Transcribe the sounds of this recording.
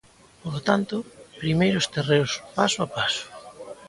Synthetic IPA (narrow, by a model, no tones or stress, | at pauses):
polot̪ant̪ʊpɾimejɾʊst̪ereʊspasoapasʊ̥